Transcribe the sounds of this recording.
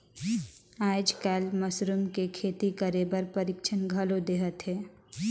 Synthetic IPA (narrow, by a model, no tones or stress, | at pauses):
aːd͡ʒkaːlmɐsɾʊmkekʰeːt̪ikɐɾeːbəɾpɐɾɪkʃʰənɡʱɐlod̪eːɦət̪ɦɛː